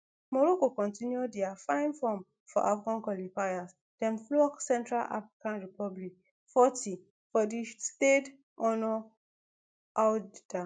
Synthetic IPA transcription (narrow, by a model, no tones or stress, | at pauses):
mɔɹokokɔ̃ntĩnjodiafãɪ̃nfɔ̃m | fɔ̰ʔafɡãnkɔlifajas | d̥ɛ̃mflɔksɛ̃ntɹala̰fɹikãnɹipɔblik̚ | fɔtʰi | fɔdisted | ɔnɔ | ʔada